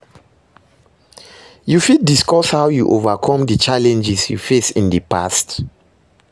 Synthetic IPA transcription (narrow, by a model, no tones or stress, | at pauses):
jufid̚ːiskɔshawjuʔovakʰɔ̃mdət͡ʃalɛ̃nd͡ʒɛsjṵfesĩndəpʰa̰st